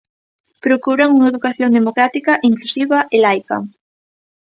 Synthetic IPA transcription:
pɾokuɾaŋuŋaeðukaθjoŋd̪emokɾat̪ikaʔiŋklusiβaʔelajka̰

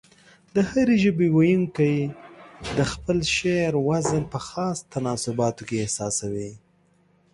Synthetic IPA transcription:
d̪əhaɾeʒəbewajuŋkaj | d̪əxpəlʃeɾwazənpəxɑst̪anɑsʊbɑt̪okeːhsɑsawi

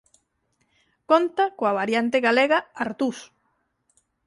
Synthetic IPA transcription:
kont̪akoaβaɾjant̪eɣaleɣaaɾt̪us

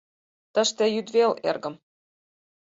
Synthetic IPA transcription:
t̪ə̆ʃt̪ĕjyd̪velḛrɡə̆m

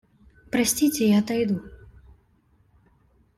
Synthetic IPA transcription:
pɾɐsʲt͡sʲit͡sʲɛjat̪ajd̪u

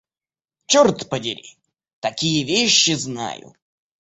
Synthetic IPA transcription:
t͡ɕɔrt̪pədʲɪɾʲḭ | t̪ɐkʲijəvʲeɕːɪzna̰jʊ̰

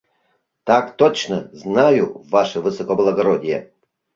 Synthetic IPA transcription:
t̪akt̪ot͡ɕnə̰znajuvaʂɨvɨsokoblˠɐɡɐɾodʲɪjɛ̰

